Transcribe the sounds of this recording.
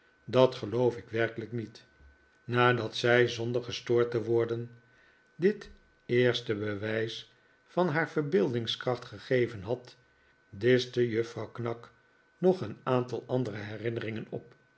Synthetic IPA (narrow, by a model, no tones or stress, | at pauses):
dɑtχəlowfɪkʋɛrkələknit | naːdɑtsɛjzɔndəɹχəstʊːɹtəʋɔɹdən | dɪt | ɪːɹstəbəʋɛjs | fɑnɦaːɹv̥əɹbɪlˠdɪŋskrɑχtχəχejvənɦɑt | dɪstəjɵfrɑwknɑk | nɔχənaːntɑlˠɑndərəɦɛrɪnərɪŋənɔ̰p̚